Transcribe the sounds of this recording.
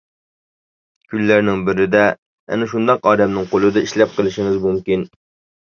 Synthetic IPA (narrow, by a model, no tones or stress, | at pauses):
kʲʰylːæɾnɪŋbɪɾɪd̪ɛ | ɛ̰nɛʃund̪ɑqɑːd̪ɛmnɪŋqʰolˠɨd̪ɑiʃlɛp̚qəlˠɪʃɪŋɪzmumkʲin